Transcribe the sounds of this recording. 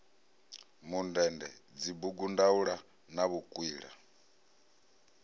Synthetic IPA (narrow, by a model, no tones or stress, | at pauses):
mundɛndɛ̰d͡zibuɡundauɺa | naβukʼwiːɺa̰